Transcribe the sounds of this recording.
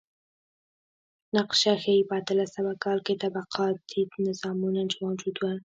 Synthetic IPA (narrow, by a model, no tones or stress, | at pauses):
naqʃaxajbɑt̪ɪlasabakɑlket̪abaqʰɑt̪ʰinɪzɑmunant͡ʃemad͡ʒud̪wa